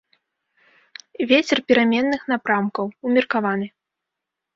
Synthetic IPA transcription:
vʲɛt͡sʲɛrpʲiɾamʲɛnːɨxn̪apɾamkɐwumʲirkavanɨ

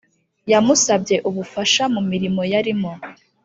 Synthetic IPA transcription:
jamusabɟe̞ʔuβufaʃamumiɾimo̞jaɾimo

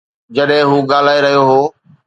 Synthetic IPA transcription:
d͡ʑɐɗɦɪ̃ɦuːɠaːl̤aːeɾɐɦijoɦoː

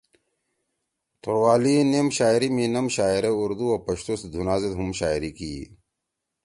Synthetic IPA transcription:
t̪oɾwaːlinemɕaːjɾiminɐmɕaːjɾeuɾd̪uɐpɐɕt̪ust̪d̪ʱunaːzet̪ɦumɕaːiɾikiː

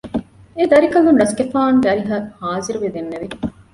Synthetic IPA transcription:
ed̪ɐɾikɐlunɖɐskefaːŋɡæɾiɦɐhaːziɾuʋed̪enːeʋi

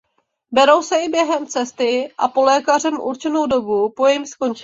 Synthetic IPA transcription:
bɛɾo̞wsɛɪbjɛɦɛmt͡sɛst̪ɪʔa̰po̞lɛːkarɛmʔṵɾt͡ʃɛno̞wdo̞bupo̞jɛmsko̞nt͡ʃɪ

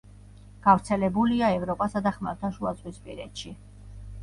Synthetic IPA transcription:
ɡ̥avɾt̪sʰɛlɛbuliaɛvɾɔpʼasad̪aχmaɾt̪ʰaʃuasʼwispʼḭɾɛ̰t̪ʃi

